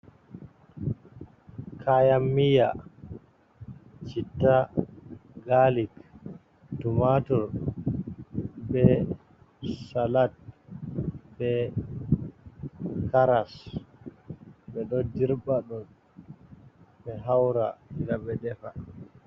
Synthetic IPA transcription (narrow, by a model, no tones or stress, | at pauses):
kʰajamːija | t͡ʃitːa | ɡalik | tumatɔɾ | bɛ | salat̚ | bɛ | kaɾas | bɛɗɔdiɾbaɗɔn | ɓɛɦawɾa̰diɾaɓɛdɛfa